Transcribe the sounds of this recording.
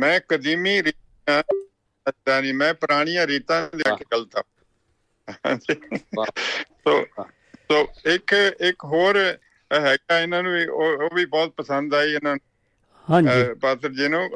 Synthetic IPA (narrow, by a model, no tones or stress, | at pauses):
mɛ̃ːkəd̪iːmiːɾiːt̪ː | ãː | d̪ãːnĩːmɛ̃ːpəɾaːɽ̃ijãːɾiːt̪ãːd̪eːəkʰːɡələt̪ã̰ː | hã̰ːd͡ʒiː | soː | soːɪkɪkɦoːɾ | ɦɛːɡaːɪnãːnũːiːoːoːʋiːbɔːt̪̚pəsənd̪aːiːɪnãːnũː | ɦãpaːt̪ɾd͡ʒiːnũː